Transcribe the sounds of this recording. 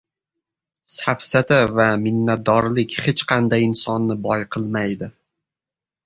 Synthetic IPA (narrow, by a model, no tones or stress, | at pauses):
safsat̪ʰavamɪnːat̪̚d̪ɒɾlɪkʲhet͡ʃqʰɑnd̪ajɪnsɒnːɪbɒjqʰɨlˠmajd̪ɪ